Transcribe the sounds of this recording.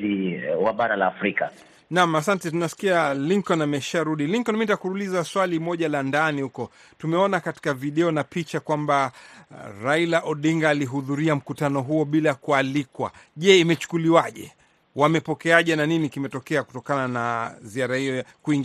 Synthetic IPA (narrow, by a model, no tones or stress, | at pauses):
iwaɓaɾalaːfɾika | nam̩asantɛtunasi̥kialiŋkɔnamɛʃaɾuɗiliŋkɔnmintakuɾulizaswalimɔʄalandanihukɔ | tumɛɔnakati̥kaviɗɛɔnapit͡ʃakwamba | ɾailaʔɔɗiŋɡaːliɦuðuɾiam̩kutanɔɦuɔɓilakualikwa̰ʄɛimɛt͡ʃu̥kuliwaʄɛ̰ | wamɛpɔkɛaʄɛnaninikimɛtɔkɛaku̥tɔkananaziaɾahijɔkuiŋɡ